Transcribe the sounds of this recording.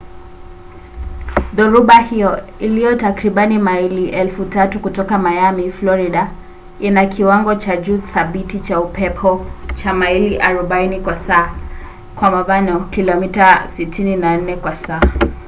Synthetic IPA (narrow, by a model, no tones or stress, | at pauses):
ðuɾuɓahijɔ | ilijɔtakɾiɓanimailiʔɛlfutatukutɔkamajamiflɔɾiɗa | inakʰiwaŋɡɔt͡ʃad͡ʒuθaɓitit͡ʃaupɛpʰɔt͡ʃamailiʔaɾuɓainikwasaː | kwamaɓanɔkilɔmitasitʰininan̩nɛkwasaː